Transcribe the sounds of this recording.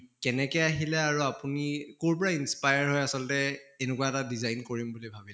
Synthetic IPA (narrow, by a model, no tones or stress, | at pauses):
kɛnɛkɛjaɦilɛaɹuapunikoɹpɔɹainspajaɹɦojasɔlɔtɛːnɛkuwaɛtadizajnkoɹimbulibʱabilɛ